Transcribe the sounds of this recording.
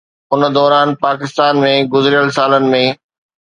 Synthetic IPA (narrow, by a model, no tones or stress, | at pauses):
ʊnd̪ɔːɾaːnpaːkɪst̪aːnmẽɡʊzɪɾijəlsaːlənɪ̆mẽ